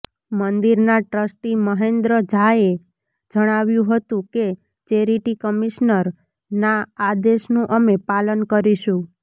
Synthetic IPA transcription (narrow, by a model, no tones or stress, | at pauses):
mənd̪iɾnaʈɾəsʈiməɦend̪ɾəd͡ʒʱae | d͡ʒəɽ̃aʋjũɦət̪ũke | t͡ʃeɾiʈikəmiʃnəɾ | naad̪eʃnũʔəmepalənkəɾiʃũ